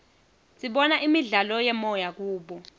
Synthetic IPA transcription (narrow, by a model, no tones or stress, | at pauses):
sʼiɓɔnaʔimiɮalɔjɛmɔjak̬uːɓɔ